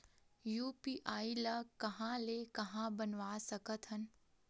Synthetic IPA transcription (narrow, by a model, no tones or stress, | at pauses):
juːpiːʔaːilɐkɐɦãlekɐɦãbənʋasɐkət̪ɦən